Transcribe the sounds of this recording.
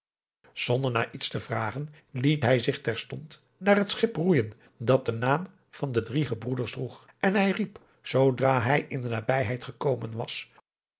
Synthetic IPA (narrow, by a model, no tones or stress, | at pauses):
z̥ɔndəɹnaːɹʔitstəvraːχən | litɦɛjzɪχtɛɹstɔnt | naːrɦətsχɪprujən | dɑt̚dənaːm | v̥ɑndədriχəbrudəɹsdruχ | ʔɛnɦɛjrip | z̥owdraːɦɛjɪndənaːbɛjɦɛjtχəkowmənʋɑs